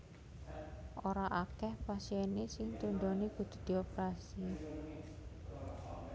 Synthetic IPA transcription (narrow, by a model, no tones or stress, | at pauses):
ʔoɾaʔakɛhpasiɛnesɪŋt̪und̪oneɡ̥ud̪̥ṳd̪̥iopɾasi